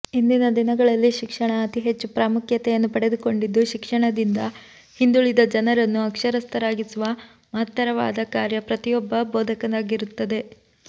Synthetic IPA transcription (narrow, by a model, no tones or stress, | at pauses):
ind̪inɐd̪inɐɡɐɭɐlːiʃikʂɐɳɐːt̪iɦe̞t͡ʃːupɾaːmukʰjɐt̪ɛjɐnːupɐɽe̞d̪uko̞ɳɖid̪ːuʃikʂɐɳɐd̪ind̪ɐ | hind̪uɭid̪ɐd͡ʒɐnɐɾɐnːuɐkʂɐɾɐst̪ɐɾaːɡisuʋɐ | mɐɦɐt̪ːɐɾɐʋa̰ːd̪ɐkaːɾjɐpɾɐt̪ijɔbːɐbɔːd̪ʱɐkɐnaːɡiɾut̪ːɐd̪e̞